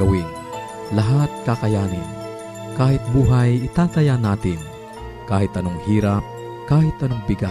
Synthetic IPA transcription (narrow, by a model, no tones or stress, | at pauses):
ɐwin | laɦat̪̚kakajaːnɪn | kaːhɪt̪̚buːɦajɪt̪aːt̪ɐjanːaːt̪ɪn | kaːhɪt̪ɐnoŋhiːɾap̚ | kaːhɪt̪ʔɐnoŋbɪɡa